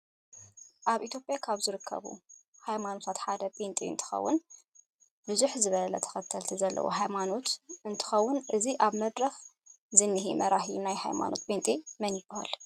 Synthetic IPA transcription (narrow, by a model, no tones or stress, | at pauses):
ʔaβʔit̪ʰjopʼjakʰaβzɨɾɨkʰːɐ̰βṵ | hajmano̞t̪ʰat̪ħad̪ɐpʼent̪ʼiɨ̰nt̪ʰɨ̥xɐ̰wːʊ̰n | bɨzuħzɨβɐlɐt̪ʰɐ̥xɐt̪ʰːɐlt̪ʰizɐlːɐ̰wo̰ɦajmano̞t̪ɨnt̪ʰɨ̥xɐwːʊnʔɨziʔaβmɐd̪ɾɐx | zɨnːiɦimɐɾahijunajha̰jma̰nʔo̞̰t̪̚pʼent̪ʼimɐnjɪb̥aha̰l